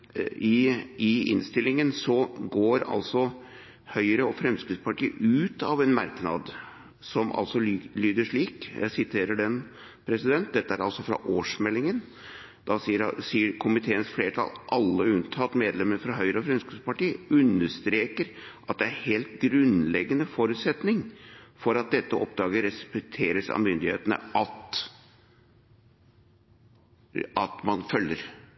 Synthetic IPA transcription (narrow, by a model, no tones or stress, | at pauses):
ɪɪɪ̰nst̪ɪlːɪŋənsɔɡoːɾɑ̰lsɔ | hœʏɾəɔfɾɛmskɾɪspɑʈiːʔʉːt̪ɑʋɛnmɑɾknɑ̰d̪ | sɔmʔɑ̰lsɔlyːd̪əʂɭiːkjæ̰ɪsɪt̪ʰeːɾəɖɛn | pʰɾɛsɪd̪ɛnt̪̚d̪ɛt̪ːəæɾɑlsɔfɾɑ̰ʔoːʂmɛlːɪŋən | d̪̥ɑsiːəɾsiːəɾkʰʊmɪt̪ʰeːənsfleːʈʰɑ̰lʔɑlːəʉnt̪ʰɑːt̪meːd̪lɛməɾfɾɑɦœʏɾəɔfɾʉnskʉpɑʈiːəʉnːəʂt̪ɾeːkəɾʔɑt̪̚d̪ɛæɾheːlt̪̚ɡɾʉnlɛɡːənəfɔɾʉːt̪sɛt̪nɪŋfɔɾɑt̪̚d̪ɛt̪ːəʔɔp̚d̪ɑːɡəɾɛspɛk̚t̪ʰeːɾəsɑ̰mʏnd̪ɪhḛːt̪ənə̰ɑt̪ | ɑt̪mɑnfœlːəɾ